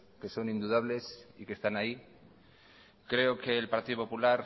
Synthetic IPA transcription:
ke̞so̞nĩnd̪uðaβle̞sike̞st̪anai | kɾe̞okeːlpaɾt̪iðopo̞pulaɾ

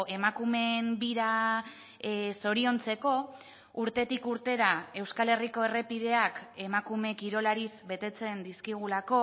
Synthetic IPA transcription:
e̞makume̞mbiɾa | so̞ɾio̞nt͡se̞ko̞ | uɾt̪e̞t̪ikuɾt̪e̞ðae̞wskale̞riko̞e̞re̞pið̞e̞ake̞makume̞kiɾo̞laɾizbe̞t̪e̞t͡se̞nd̪iskiɣ̞ulako̞

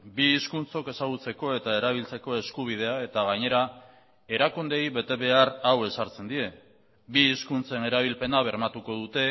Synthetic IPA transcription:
biːskunt͡so̞ke̞saɣ̞ut͡se̞ko̞e̞t̪aeɾaβ̞ilt͡se̞ko̞e̞skuβ̞ið̞e̞ae̞t̪aɣaɲe̞ɾa | e̞ɾakund̪e̞jβe̞t̪e̞βe̞arawe̞saɾt͡se̞nd̪ie̞ | biːskunt͡se̞ne̞ɾaβ̞ilpe̞naβ̞e̞ɾmat̪uko̞ð̞ut̪e̞

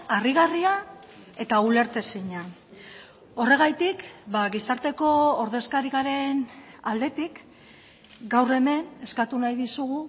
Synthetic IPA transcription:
ariɣ̞aria | e̞t̪aule̞ɾt̪e̞siɲa | o̞re̞ɣ̞ajt̪ikbaɣisaɾt̪e̞ko̞ːɾðe̞skaɾiɣaɾe̞nald̪e̞t̪ik | ɡawre̞me̞ne̞skat̪unajðisuɣu

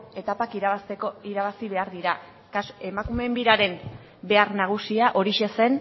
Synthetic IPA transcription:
e̞t̪apakiɾsekoiɾaβasiβe̞aɾðiɾa | kase̞makume̞mbiɾaɾe̞m | be̞arnaɣ̞usiaʔo̞ɾiʃe̞se̞n

